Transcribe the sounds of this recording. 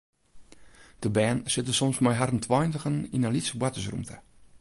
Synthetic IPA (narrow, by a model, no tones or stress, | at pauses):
d̥əbɛːnsɪtəsɔmsmɔjɦarəntʰwɔjntəɣəninalitsəbwatəs̬rṵmtʰə